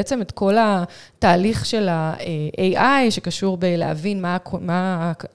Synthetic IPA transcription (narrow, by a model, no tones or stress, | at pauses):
et͡se̞met̪ko̞lataːliχʃe̞laeʔejʔajʃe̞kaʃuʁbelḛha̰vinmama